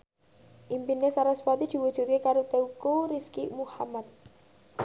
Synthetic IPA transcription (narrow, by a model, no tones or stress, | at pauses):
ʔimpinːesaɾɔspat̪id̪̥i̤wud̥ʒ̥ṳt̪̚kekaɾot̪eukoriskimuhamat̪̚